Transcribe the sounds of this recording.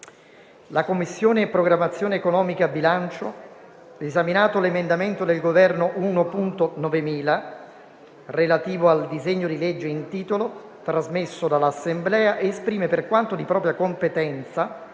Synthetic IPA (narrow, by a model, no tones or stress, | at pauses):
lakomːisːjoːnepːɾoɡɾamːat̪sːjoːneːkonɔːmikaːbːilant͡ʃo | ezaminaːt̪olemend̪ament̪od̪elɡovɛrnoʔuːnopunt̪onɔvemiːla | relat̪iːvoald̪izeɲːod̪iled͡ʒːeint̪iːt̪olo | t̪ɾazmesːod̪alasːemblɛːaʔeːspɾiːmeperkwant̪od̪ipɾɔːpɾjakompet̪ɛnt̪sa